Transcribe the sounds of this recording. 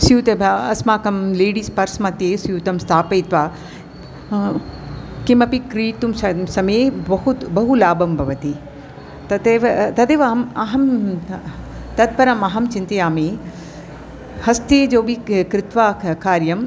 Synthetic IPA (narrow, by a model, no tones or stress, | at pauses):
sjuːt̪ɐbɐsmaːkɐmleːɽiːspɐɾsmɐ̃t̪eːsjuːt̪ɐmst̪ʰaːpeːt̪ʋaː | kimɐpikɾiːt̪umsɐsɐmeːbɐɦut̪bɐɦulaːbɐmbʱɐʋɐt̪i | t̪ɐt̪eʋt̪ɐt̪eːʋamaɦɐm | t̪ɐd̪̚pɐɾɐmaɦɐmt͡ʃɪ̃nt̪eaːme | hɐst̪eːd͡ʑoːbʱikɾɪt̪ʋaːkaːɾjɐm